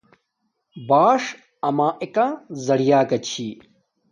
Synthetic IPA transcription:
baːʂ | ɐmãːʔekãzɐɽijaːɡɐt͡ɕʰiː

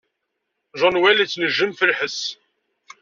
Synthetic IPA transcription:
ʒɑnwælit͡sːnəʒːəmfəlħəs

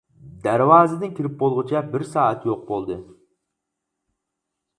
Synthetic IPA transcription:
d̪æɾwɑːzɨd̪ɪnkʲʰiɾɪp̚bolˠʁʊt͡ʃʰɛbɪɾsɑːɛt̪joq̚bolˠd̪ɨ

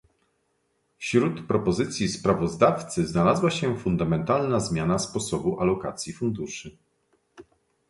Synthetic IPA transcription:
fɕɾut̪pɾɔpɔzɘt̪sʲjispɾavɔzd̪aft̪sɘznalazwaɕɛfund̪amɛnt̪alnazmʲjanaspɔsɔbuʔalɔka̰t̪sʲjifund̪uʂɘ

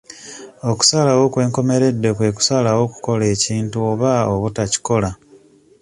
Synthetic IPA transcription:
o̞ku̥salawo̞kwe̞ːŋko̞me̞ɾe̞dːe̞kwe̞ːku̥salawo̞ku̥ko̞le̞ːciːntuoβaoβutaci̥ko̞la

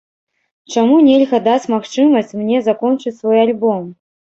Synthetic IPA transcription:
t͡ʂamunʲelʲɣɐd̪at͡sʲmaxt͡ʂɨmɐsʲt͡sʲmnʲɛzakɔnt͡ʂɨt͡sʲsvɔjalʲbɔm

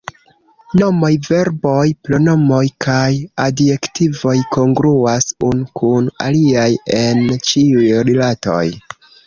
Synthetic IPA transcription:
no̞mo̞jve̞ɾbo̞jplo̞no̞mo̞jkajade̞ktivo̞jko̞ŋɡɾuasunkʰuna̰liaje̞nt͡ʃiujɾilato̞̰j

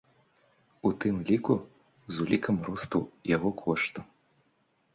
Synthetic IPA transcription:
ut̪ɨmlʲiku | zulʲikɐmɾɔst̪ɐwjaɣɔkʰɔʂt̪u

